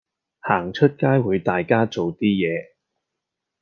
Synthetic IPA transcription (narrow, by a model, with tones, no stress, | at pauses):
haː˨˩ŋt͡ʃʰɵ˥t̚kaː˥jwuː˨˧jt̪aː˨jkaː˥t͡so˨wt̪iː˥jɛː˨˧